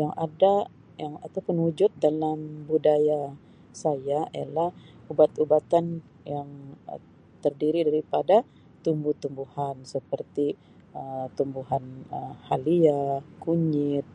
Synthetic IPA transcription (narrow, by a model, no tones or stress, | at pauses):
jaŋada | jaŋat̪awpʊnud͡ʒʊt̪̚dalambudaja | sajaḭja̰lahubat̪ubat̪an | jaŋə̰ | t̪ərdiɾidaɾipada | t̪umbuht̪umbuhansəpərt̪i | ət̪umbuɦanəmhaliakuɲɪt̪̚